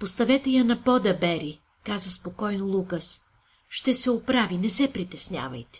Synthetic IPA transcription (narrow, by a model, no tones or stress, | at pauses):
post̪ɐvɛt̪ɛjɐnɐpɔd̪ɐbɛɾi | kazɐspokɔjnolˠukɐs | ʃt̪ɛsɛopɾavinɛsɛpɾit̪ɛsnʲja̰vɐ̰jt̪ɛ̥